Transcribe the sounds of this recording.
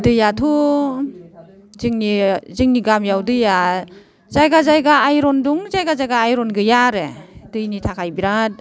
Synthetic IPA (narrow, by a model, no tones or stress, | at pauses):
dɯjatʰu | zɯŋnizɯŋniɡamjawdɯja | zajɡazajɡaːjɾɔnduŋzajɡazajɡaːjɾɔnɡɯjaɾed̥ɯjnitʰakʰajbiɾat̚